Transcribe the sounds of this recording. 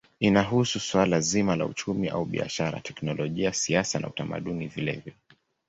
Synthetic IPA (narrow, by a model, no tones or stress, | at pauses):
inaɦususwalazimala̰ṵt͡ʃumiʔa̰uɓia̰ʃaɾa̰tɛknɔlɔʄiasiasana̰utama̰ɗunivilɛ̰vjɔ